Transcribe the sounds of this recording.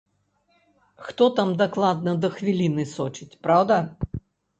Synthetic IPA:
xt̪ɔt̪amd̪aklˠad̪̚nɐd̪ɐxvʲilʲinɨsɔt͡ʃit͡sʲpɾawd̪ɐ

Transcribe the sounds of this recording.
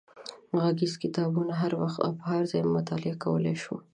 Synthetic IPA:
ɣaɡizkɪt̪ɑbunaɦaɾwaxt̪a̰pɦɑɾzɑjmːʊt̪ɑlɪakawəleʃu

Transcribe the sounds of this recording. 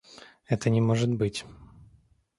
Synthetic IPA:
ɛt̪ənʲɪmoʐɨt̪bɨtʲ

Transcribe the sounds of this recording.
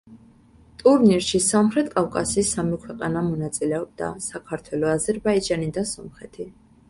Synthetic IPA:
t̪ʼuɾniɾʃisamχɾɛt̪̚kʼavkʼasiiːsːamikʰwɛqʼanamɔnat̪sʼilɛɔb̚d̪a̰sakʰaɾt̪ʰwɛlɔazɛɾbaid͡ʒanid̪asɔmχɛt̪ʰi

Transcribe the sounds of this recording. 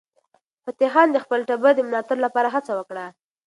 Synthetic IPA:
pət̪eɦɑnd̪əxpəlʈabəd̪əməlɑt̪aɾlapɑɾaɦat͡sawəkɽa

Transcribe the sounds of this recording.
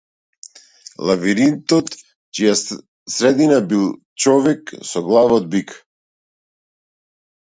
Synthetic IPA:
lˠaviɾint̪ɔt̪ | t͡ʃija | sɾɛd̪inabilˠ | t͡ʃɔvɛksɔɡlˠavɔd̪̚bik

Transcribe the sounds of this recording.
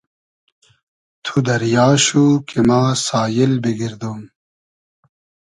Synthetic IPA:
t̪ʰud̪ɐɾjɑːɕukʰemaːsɑːjilbiɡiɾd̪uːm

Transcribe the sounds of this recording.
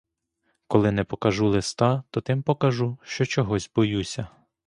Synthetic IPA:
kɔlˠɪnɛpɔkɐʒulˠɪst̪ɑt̪ɔt̪ɪmpɔkɐʒuʃt͡ʃɔt͡ʃɔɦɔzʲbɔjusʲɐ

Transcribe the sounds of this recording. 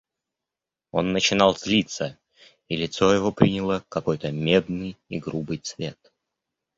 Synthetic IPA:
o̞̰nːət͡ɕɪnɑlˠzʲlʲit̪sə | ilʲɪt̪so̞jɪvopɾʲinʲɪlˠəkɐko̞jt̪əmʲe̞d̪nɨjiɡɾubɨjt̪svʲe̞t̪̚

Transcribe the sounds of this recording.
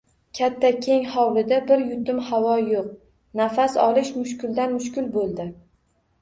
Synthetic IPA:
kʲʰat̪ʰːakʲʰe̞ŋhɑwlɪd̪abɪɾjʊt̪ʰʊmhavɒjoq̚ | nafasɒ̰lˠɪʃmʊʃkʲɪld̪anmʊʃkʲɪlbolˠd̪ɪ

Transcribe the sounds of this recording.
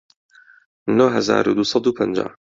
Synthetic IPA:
noɦɐza̰ːɾṵːd̪usˤɑd̪uːpʰənd͡ʒa̰ː

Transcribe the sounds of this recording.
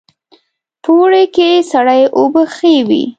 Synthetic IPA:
poɽekesaɽajʔobəxewḭ

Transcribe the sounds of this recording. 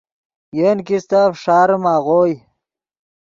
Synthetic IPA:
jenkist̪afʂaːɾmaːɣoj

